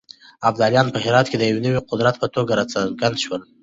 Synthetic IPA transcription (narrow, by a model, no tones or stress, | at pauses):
abd̪aljɑnpəhɪɾɑt̪̚ked̪əjawinəwiqʊd̪ɾat̪pət̪oɡaɾat͡saɡand̪ʃwəl